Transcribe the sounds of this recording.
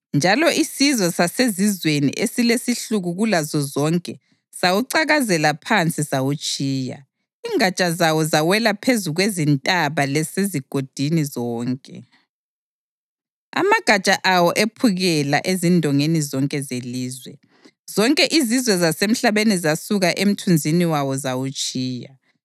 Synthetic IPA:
nd͡ʒʱalɔʔisizwɛsasezizwenḭʔesilesiɬuɣuɣulazɔzɔŋkʼɛ | sawuǀaɣazɛlapʰant͡sʼisawut͡ʃʼiːja̰ | iŋʱat͡ʃʼazawɔzawɛlapʰezuɣwezintʼaβalɛseziɡ̥ʱod̥ʱinizɔːŋkʼɛ̰ | a̰maɡ̥ʱat͡ʃʼaʔawɔʔepʰuɣɛla̰ʔezindʱɔŋenizɔŋkʼɛzeliːzwɛ | z̥ɔŋkʼɛʔizizwɛzasem̩ɬaβenizasuɣaʔem̩tʰund͡zʱiniwawɔzawut͡ʃʼiːja̰

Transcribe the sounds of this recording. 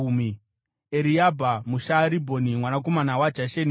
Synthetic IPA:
mi | eɾiabʱamuʃaɾibʱo̞nimwanako̞manawad͡ʒaʃeni

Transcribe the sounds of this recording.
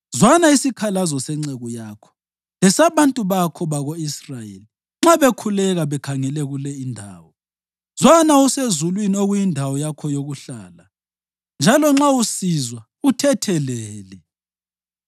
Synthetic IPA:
zwanaisikʰalazɔsɛŋ͡ǀɛɣujaːkʰɔ̥ | lɛsaβantʼuβakʰɔβaɣoisrajḛli | ŋ͡ǁaβekʰulɛɣaβɛkʰaŋɛlɛɣulɛindʱa̰ːwɔ | zwanausezulwinioɣujindʱawɔjakʰɔjoɣuɬaːla | nd͡ʒʱalɔŋ͡ǁausizwa | utʰɛtʰɛlɛːlɛ

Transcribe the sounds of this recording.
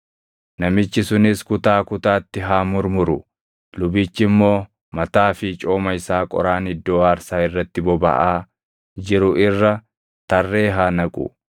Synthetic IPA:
nɐmɪt͡ʃːɪsʊnɪskʊt̪aːkʊt̪aːt̪ːɪɦaːmʊɾmʊɾʊ | lʊbiːt͡ʃːɪmːo̞ː | mɐt̪aːfɪt͡ʃʼo̞ːmɐɪsaːkʼɔ̰ɾaːnɪd̪ːoːaːɾsaːɪrːɐt̪ːɪbɔbɐ̰ʔaː | d͡ʒɪɾʊɪrːɐ | t̪ɐrːe̞ːɦaːnɐkʼʊ̰

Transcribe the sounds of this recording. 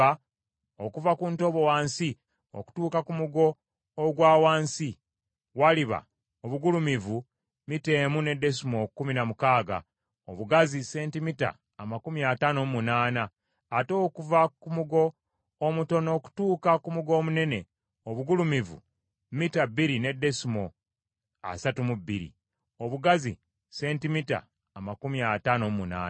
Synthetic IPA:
a | okuvakuːnto̞βo̞waːnsi | o̰ku̥tuːkakumuɡo̞ː | ɡwaːwaːnsi | waliβa̰ | oβuɡulumivu | mite̞ːmune̞dːe̞sumokːuminamukaːɡa̰ | o̰βuɡazise̞ːntimita̰ːmakumiatanomunaːnaː | to̞ːkuvakumuɡo̞ː | muto̞no̞ːku̥tuːkakumuɡo̞ːmune̞ne̞ | oβuɡulumivṵ | mitabiɾine̞de̞sumo̞ | a̰satumubːiɾḭ | oβuɡazi | se̞ːntimita̰ː | makumiatanomumuna̰ːn

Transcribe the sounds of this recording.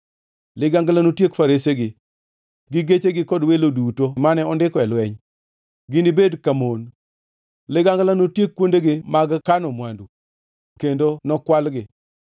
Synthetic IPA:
lɪɡaŋɡlanotjekfaɾeseɡɪ | ɡɪɡet͡ʃeɡɪkɔdwelodutomanɛɔndɪkɔɛlwɛɲ | ɡɪnɪbedkamon | lɪɡaŋɡlanotjekːwondeɡɪmaɡkanɔmwandu | kendonɔkwalɡɪ

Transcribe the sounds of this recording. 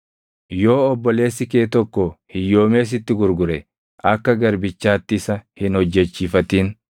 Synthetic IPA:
joːɔbːɔle̞ːsːɪkeːt̪ɔkːɔhɪjːo̞ːmeːs̬ɪt̪ːɪɡʊɾɡʊɾɛ | ʔɐkːɐɡɐɾbɪt͡ʃːaːt̪ːɪɪsɐhɪnhɔd͡ʒːɛt͡ʃːɪːfɐt̪iːn

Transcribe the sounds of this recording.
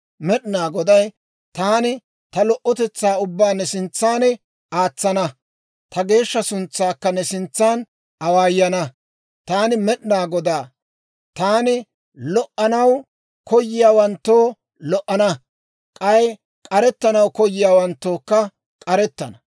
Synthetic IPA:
mɛɗɪnaːɡɔd̪ɐj | t̪aːnɪ | t̪ɐlɔʔɔt̪ɛt͡sːaːʊbːaːnɛsɪnt͡sːaːnɛ | aːt͡sːɐnɐ | t̪ɐɡe̞ːʃːɐsʊnt͡sːaːkːɐnɛsɪnt͡sːaːn | ɐwaːjːɐnɐ | t̪aːnɪmɛɗɪnaːɡɔd̪aː | t̪aːnɪ | lɔʔɐnɐw | kɔjːɪjaːwɐnt̪ːoː | lɔʔːɐnɐ | kʼɐj | kʼɐɾɛt̪ːɐnɐwkɔjːɪjaːwɐnt̪ːo̞ːkːɐ | kʼɐɾɛt̪ːɐnɐ

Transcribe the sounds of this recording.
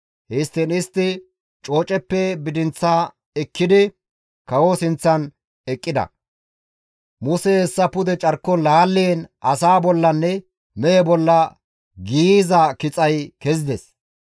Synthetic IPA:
ɪst̪ːɪnɪst̪ːɪ | t͡ʃʼo̞ːt͡ʃʼɛpːɛbɪd̪ɪnt͡sːa | ɛkːɪd̪ɪ | kɐwosɪnt͡sːɐn | ɛkʼːɪd̪ɐ̰ | mʊsɛɛsːɐpʊd̪ɛt͡ʃʼɐɾkːɔnlaːlːeenʔɐsaːbɔlːɐnːɛ | mɛɛbɔlːɐ | ɡiːzɐkɪt͡sʼɐjkɛzɪd̪ɛs

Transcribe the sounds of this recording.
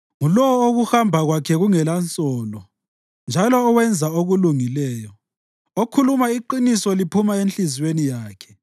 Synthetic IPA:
ŋulɔwɔoɣuhambʱaɣwakʰɛɣuŋɛlant͡sʼɔːlɔ | nd͡ʒʱalɔːwɛnd͡zʱaoɣuluŋilɛːjɔ | okʰulumaiǃinisɔlipʰumaenɬizwenijaːkʰɛ̥

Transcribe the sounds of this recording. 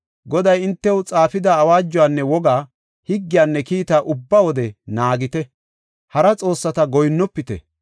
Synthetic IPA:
ɡɔd̪ɐjɪnt̪ːɛwʊt͡sʼaːfɪd̪ɐːwaːd͡ʒːʊwaːnːɛwɔɡaː | hɪɡːɪjaːnːɛkiːt̪aːʔʊbːɐwɔd̪ɛnaːɡɪt̪ɛ | hɐɾɐt͡sʼo̞ːsːɐt̪ɐɡɔjnːɔpːɪt̪ɛ̰

